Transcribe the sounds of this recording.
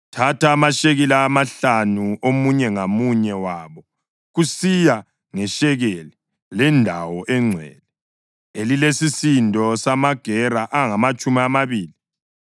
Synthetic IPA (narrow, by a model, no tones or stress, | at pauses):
tʰataːmaʃeɣilaːmaɬanuomuɲɛŋamuɲɛwaːβɔ | ɣusija | ŋɛʃɛɣɛlɛ | lɛndʱawɔʔɛŋ͡ǀʱwɛ̰ːlɛ | elilesisindʱɔsamaɡ̥ʱɛraʔaŋamat͡ʃʼumiamaβiːli